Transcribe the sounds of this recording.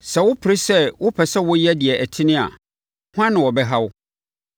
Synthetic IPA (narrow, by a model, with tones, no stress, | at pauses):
sɛ˨wʊ˦pʰɾi˦sɛ˦wʊ˦pʰɛ˨sɛ˦wʊ˦jɛ˦dɪ˨ɛ˨ʔæ˨tʰɪ˦nɪ̃˦a̰˨ | hʊ˦ã˦nɪ̃˨wɔ˨bɛ˦ɦa˦wʊ˦